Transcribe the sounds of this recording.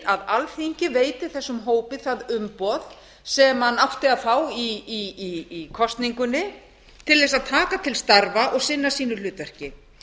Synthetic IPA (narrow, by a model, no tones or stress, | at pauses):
aðalθiɲcɪveːjt̪ɪ̥θɛsːʏmɦoːwpɪθaðʏmpɔð | sɛmanawft̪ɪaðfaːwiiiikʰɔst̪niŋkʏnːɪ | t̪ʰɪlðɛs̬aðt̪ʰaːkat̪ʰɪlst̪aɾvaʔɔɣsɪnːasiːnʏlʏːt̪vɛr̥cɪ